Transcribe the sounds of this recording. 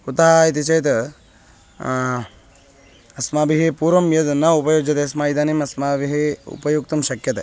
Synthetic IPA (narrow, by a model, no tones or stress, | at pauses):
ut̪aɦait̪̬it͡ʃɐjt̪ | ɐsmaːbiɦepuːɾʋɐmjɐd̪nɐupɐjoːd͡ʒɐt̪eɐsmaːid̪aːnimɐsmaːbiɦeṵpɐjuk̚t̪ɐmʃɐkjɐt̪e